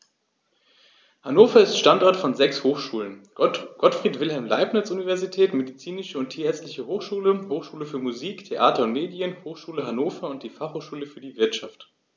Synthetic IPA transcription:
hanoːfɐɪstʃtantʔaɐtfɔnzɛkshoːxʃuːlənɡ̥ɔtfʁ̥iːtv̥ɪlɦɛlmla̰ɪpnɐt͡sunivɛɐzitʰɛːtmedit͡siːnɪʃəʊntʰiːɐɛɐt͡stlɪçəhoːxʃuːləhoːxʃuːləfyːɐmuziːktʰeʔaːtɐʊntmeːdjənhoːxʃuːləɦanoːfɐʊnt̚d̥iːfaχhoːxʃuːləfyːɐdiːvɪɐtʃaft

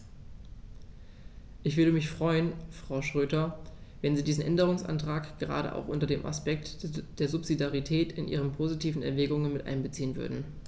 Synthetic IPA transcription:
ʔɪçv̥ʏɐdəmɪçfʁ̥ɔʏənfʁ̥aʊʃʁ̥øːtɐvɛnziːdiːzn̩ʔɛndəʁ̞ʊŋsʔa̰ntʁ̥aːkɡ̥əʁa̰ːɾə̰ʔa̰ʊxʔʊntɐdeːmʔa̰spɛk̚td̥eːɐzʊpz̥idjaʁitʰɛːtʰɪnʔḭːʁənpʰoːzitʰiːvn̩ɛ̰ɐvɛːɡʊŋənmɪtʔa̰ɪnbət͡siːənvʏ̰ɐdn̩

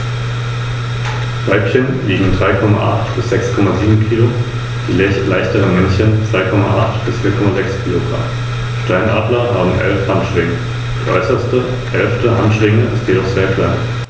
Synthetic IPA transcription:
v̥aɪpçənliːɡŋ̩dʁaɪkʰɔma̰ʔaχtb̥ɪsz̥ɛkskʰɔmaziːbm̩kʰiːlo | d̥iːlɛçlaɪçtʰəəmɛnçənt͡sv̥aɪkʰɔmaʔaχtb̥ɪsfiːɐkʰɔmazɛkskʰiːloɡʁa̰m | ʃtaɪnʔa̰ːdlɐhaːbm̩ʔɛ̰lfhanʃʁ̥ɪŋə | d̥iɛ̰ʔɔ̰ʏsɐstə | ʔɛlftəʔanʃʁ̥ɪŋəɪstjedɔχz̥eːɐkʰl̥aɪn

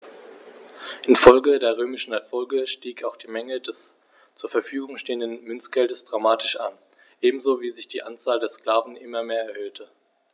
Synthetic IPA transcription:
ʔɪnfɔlɡədeːɐʁ̞øːmɪʃn̩ɛɐfɔlɡəʃtiːkaʊxd̥iːmɛŋədɛs | t͡suːɐfɛɐfyːɡʊŋʃteːəndənmʏnt͡sɡ̥ɛldəsd̥ʁamaːtʰɪʃʔa̰n | ʔeːbm̩zoːviːzɪçd̥iːʔant͡saːldeːɐskl̥aːvn̩ʔɪmɐmeːɐɛɐhøːtʰə

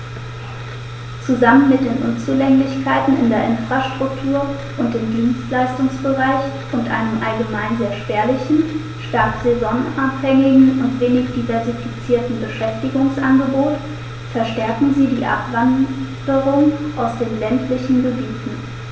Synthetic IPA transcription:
t͡suzamənmɪt̚d̥eːnʔʊnt͡suːlɛŋlɪçkʰaɪtn̩ɪ̰ndeːɐʔɪnfʁ̥aʃtʁ̥ʊk̚tʰuːɐ | ʔʊnt̚d̥eːmdiːnstlaɪstʊŋsb̥əʁaɪç | ʔʊntʔa̰ɪnəmʔalɡəmaɪnzeːɐʃpɛːɐlɪçn̩ | ʃtaɐtz̥ezɔnʔaphɛŋɪɡŋ̩ʊntv̥eːnɪçd̥ivɛɐzifit͡siːɐtn̩bəʃɛftɪɡʊŋsʔanɡəboːt | fɛɐʃtɛɐkŋ̩ziːdiːʔa̰pv̥andəʁʊŋʔaʊsd̥eːnlɛntʰlɪçn̩ɡəbiːtn̩

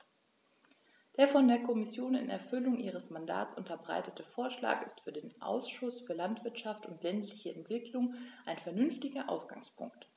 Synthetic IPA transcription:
d̥eːɐfɔndeːɐkʰɔmɪsjoːnɪ̰nɛ̰ɐfʏlʊŋʔiːʁ̞əsmanda̰ːt͡sʔʊntɐbʁa̰ɪtətəfoːɐʃla̰ːkɪstfyːɐdeːnʔa̰ʊsʃʊsfyːɐlantv̥ɪɐtʃaftʊntlɛntlɪçəɛntv̥ɪkʰlʊŋʔaɪnfɛɐnʏnftɪɡɐʔa̰ʊsɡ̥a̰ŋspʰʊ̰ŋkt

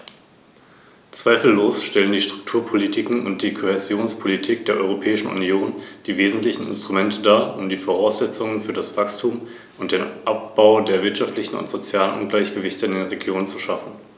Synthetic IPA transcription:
t͡sv̥aɪfl̩ːoːsʃtɛləndiːʃtʁ̥ʊk̚tʰuːɐpʰolitʰɪkŋ̩ʊ̰nt̚d̥iːkʰohezjoːnspʰolitʰiːk̚d̥eːɐʔɔ̰ʏʁopʰɛːɪʃn̩ṵnjoːnd̥iːveːzn̩tlɪçn̩ɪ̰nstʁ̥umɛntʰədaːʔʊmdiːfoʁ̞aʊsz̥ɛt͡sʊŋənfyːɐɾasv̥akstʰuːm | ʊntd̥eːnʔap̚b̥aʊdeːɐvɪɐtʃaftlɪçn̩ʊ̰ntz̥ot͡sjaːlənʔʊnɡlaɪçɡ̥əvɪçtəɪndeːʁeɡjoːnənt͡suʃafn̩

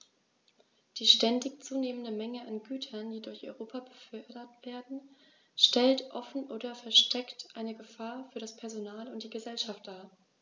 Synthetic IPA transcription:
d̥iːʃtɛndɪçt͡suːneːməndəmɛŋəʔanɡyːtʰɐndiːdʊɐçʔɔʏʁoːpʰabəfœɐdɐtv̥eːɐdn̩ | ʃtɛltʔɔfn̩ʔoːdɐfɛɐʃtʰɛktʔaɪnəɡəfaːɐfyːɐɾaspʰɛɐzonaːlʊntd̥iːɡəzɛlʃaftd̥aːɐ

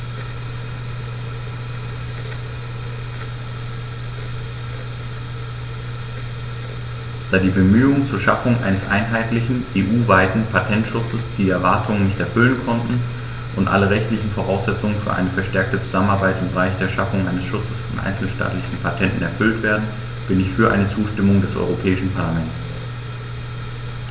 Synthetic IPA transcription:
d̥aːdiːbəmyːʊŋt͡suːɐʃa̰fʊŋʔa̰ɪnəsʔa̰ɪnɦaɪtlɪçn̩ʔeːʔuːvaɪtn̩pʰatʰɛntʃʊt͡səsd̥iːɛɐvaɐtʰʊŋənɪçtɛɐfʏlənkʰɔntn̩ | ʔʊntʔa̰ləʁɛçtlɪçn̩foʁ̞aʊsz̥ɛt͡sʊŋənfyːɐʔa̰ɪnəfɛɐʃtɛɐk̚tət͡su̥z̥amənaɐbaɪtɪmbəʁaɪçd̥eːɐʃafʊŋʔaɪnəsʃʊt͡səsfɔnʔa̰ɪnsl̩ʃta̰ːtlɪçn̩pʰatʰɛntn̩ɛɐfʏltv̥eːɐdn̩ | b̥ɪnɪçfyːɐʔa̰ɪnət͡suːʃtɪmʊŋdɛsʔɔ̰ʏʁopʰɛːɪʃn̩pʰaɐlamɛntt͡s

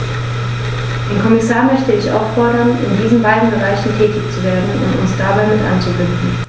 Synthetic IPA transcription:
d̥eːnkʰɔmɪsaːɐmœçtəɪçʔa̰ʊffɔɐɾɐnɪ̰ndiːzn̩baɪdn̩bəʁaɪçn̩tʰɛːtɪçt͡suveːɐdn̩ʊ̰ntʊ̰nsd̥abaɪmɪtʔa̰nt͡subɪndn̩

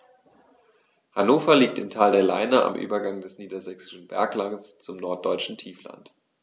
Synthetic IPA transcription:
hanoːfɐliːk̚tɪmtʰaːldeːɐla̰ɪnɐʔa̰mʔy̰ːbɐɡaŋdɛsniːdɐzɛksɪ̥ʃn̩bɛ̰ɐklaŋst͡sʊmnɔɐt̚d̥ɔʏt͡ʃn̩tʰiːfla̰nt

